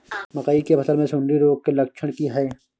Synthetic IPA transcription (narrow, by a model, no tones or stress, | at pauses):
mɐqaːikebɐsəɾmẽsʊnɾiɾoːɡ̚kelɐkt͡ʃʰəɽ̃kiɦɛeː